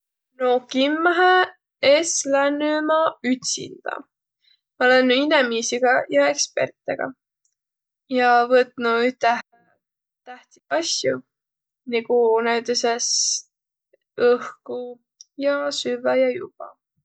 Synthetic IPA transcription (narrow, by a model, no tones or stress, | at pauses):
nokimːɑɦe | eslænːymɑyt̪sḭnd̪̥ɑ̰ | olenːinemisiɡ̥ɑjɑe̞kspe̞̰rt̪ːˑeɡ̥ɑ̰ | jɑvɤt̪ˑnuyht̪æ | t̪æht̪iɑsju | niɡ̥unæyt̪eses | ɤhku | jɑsyvɑjɑjṵb̥ɑ̰